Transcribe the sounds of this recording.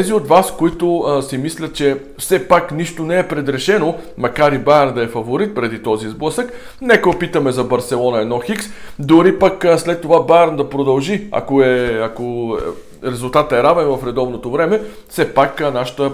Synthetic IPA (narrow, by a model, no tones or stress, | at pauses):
ɛziot̪vaskoit̪osimislʲət̪̚t͡ʃɛ | fsɛpakniʃt̪onɛːpɾɛd̪ɾɛʃɛnomɐkaɾibajəɾnd̪ɐɛfɐvoɾit̪̚pɾɛd̪it̪ɔzizblˠɤsək | nɛkəopit̪əmɛzɐbɐɾsɛlˠɔnɐɛd̪nɔxiksd̪oɾipəkslɛt̪ːovabajɾnd̪ɐpɾod̪ɐlˠʒiɐ̰koɛɐko | ɾɛzulˠt̪at̪əɛɾavɛnvɐfɾɛd̪ɔvnot̪ovɾɛmɛ | fsɛpaknaʃə̥t̪ə